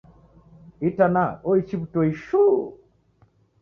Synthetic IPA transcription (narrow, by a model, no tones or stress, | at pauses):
itanaɔit͡ʃibutoiʃu